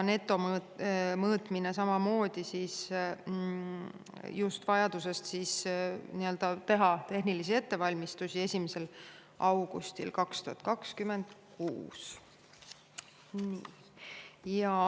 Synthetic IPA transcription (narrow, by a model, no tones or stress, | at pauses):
ne̞t̪ːˑo̞mː | mɤːt̪ˑmines̬ɑmɑmo̞ːd̪̥isis | just̪vɑjɑd̪use̞st̪siːsniø̞ld̪̥ɑt̪e̞ɦɑt̪e̞ɦnilis̬ie̞t̪ːe̞vɑlʲmist̪usie̞sʲimese̞l | ʔɑwɡ̥ṵst̪ḭlkɑkst̪uhɑt̪̚ˑkɑkskyme̞nd̪̥kṵːs | ni | jɑ